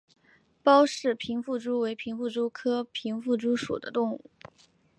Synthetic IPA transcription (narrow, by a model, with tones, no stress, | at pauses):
pɑ˥ʊʂɻ̩˥˩pʰi˧˥nfu˥˩ʈ͡ʂu˥we˧˥ɪpʰi˧˥ŋfu˥˩ʈ͡ʂu˥kʰɤ˥pʰi˧˥ŋfu˥˩ʈ͡ʂu˥ʂṵ˨˩d̪ə̰˦t̪ʊ˥˧ŋṵ˥˩